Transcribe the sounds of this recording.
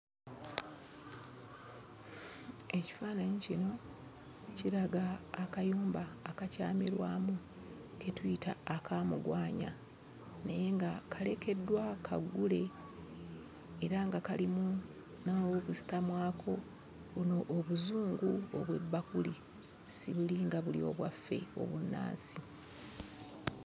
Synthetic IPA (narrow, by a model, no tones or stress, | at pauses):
e̞ci̥faːnaɲicino̞ | ciɾaɡaːkajuːmbaːkaca̰ːmiɾwa̰ːmu | ketwuita̰ːkaːmṵɡwaːɲa̰ | neje̞ŋɡakale̞ke̞dːwakʰa̰ɡːule̞ | eɾaŋɡakalimu | nawokusi̥tamwaːkʰo̞ | βuno̞ʔːβuzuːŋɡuo̰βwe̞̰bːakuli | siβuliŋɡaβulḭo̞̰βwafːe̞̰o̞̰βunːa̰ːnsi